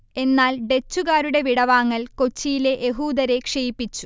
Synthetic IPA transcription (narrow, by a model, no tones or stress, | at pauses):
e̞nːaːlɖe̞t͡ɕːuɣaːɾuɽe̞ʋiɽɐʋaːŋːɐlko̞t͡ɕːijile̞ʔeɦuːd̪ɐɾe̞kʂejipːit͡ɕːu̥